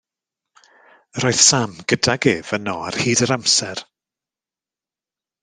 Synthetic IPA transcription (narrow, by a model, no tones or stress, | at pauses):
rɔːjðsamɡ̥ədaɡeːv̥ənɔa̰rhiːdəɾamsɛr